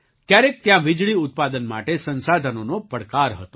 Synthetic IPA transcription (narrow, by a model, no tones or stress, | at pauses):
kjaɾek̚t̪jãʋid͡ʒɭiʊt̪̚pad̪ənma̰ʈesə̃nsad̪ʱənonopəɽkaɾɦət̪o